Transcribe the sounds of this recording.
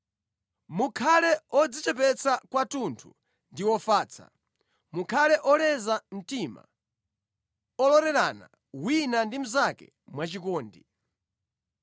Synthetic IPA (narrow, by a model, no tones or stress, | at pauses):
mukʰalɛɔd͡zit͡ʃɛpɛt͡sʰakwatuntʰṵ | ndiwɔfaːt͡sʰa̰ | mukʰalɛʔɔlɛzam̩tima̰ | ɔlɔɾɛɾana̰ | winandim̩zakɛ̰ | mwat͡ʃikɔːndi